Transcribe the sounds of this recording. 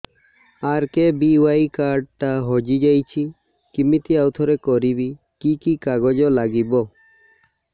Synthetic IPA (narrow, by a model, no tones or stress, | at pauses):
aɾkebiwaikaɾɖ̚ʈaɦɔd͡ʒid͡ʒajt͡ʃʰi | kimit̪iawt̪ʰɔɾekɔɾibi | kikikaɡɔd͡ʒɔlaɡibɔ